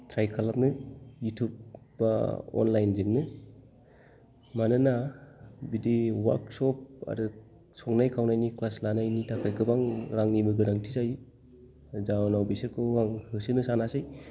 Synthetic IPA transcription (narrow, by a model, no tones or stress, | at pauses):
tʰɾajkʰalap̚nɯjutʰub̚ | ba̰ɔ̰nlajnziŋnɯ | manɯnabidewa̰ɾksɔp̚a̰dɯ | sɔŋnajkʰawnajniklaslanajnitʰakʰɯjkɯbaŋɾaŋnibɯɡɯdaŋtʰizaj | zawnawbiseɾkʰɯwaŋhɯsinɯsanasɯj